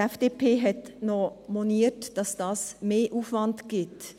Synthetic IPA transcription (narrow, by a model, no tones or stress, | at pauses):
ɛfd̥eːpʰeːɦɛtnɔmɔniətd̥ɑsd̥ɑːsmeːʔuːfvɑndɡ̥ɪt